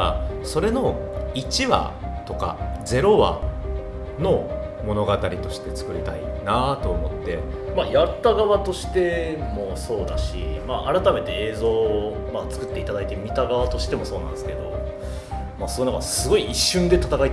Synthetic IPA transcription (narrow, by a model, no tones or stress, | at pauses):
so̞ɾe̞no̞it͡ɕiβa̰t̪o̞ka̰d͡ze̞ɾo̞βa̰ | no̞ | mo̞no̞ɡat̪aɾʲit̪o̞ɕi̥t̪e̞t͡sɨ̥kɯ̟ɾʲit̪a̰ḭnat̪o̞ːmo̞t̪ːe̞ | majat̪ːaɡaβat̪o̞ɕi̥t̪e̞mo̞so̞ːd̪aɕḭmaʔaɾat̪ame̞t̪e̞eːzo̞ː | mat͡sɨ̥kɯ̟t̪ːe̞it̪ad̪ait̪e̞mʲit̪aɡaβat̪o̞ɕi̥t̪e̞mo̞so̞ːnã̰nd̪esɨ̥ke̞d̪o̞̰ | maːsoonakaɾsɨɡo̞iiɕːɨ̃nd̪e̞t̪at̪akait̪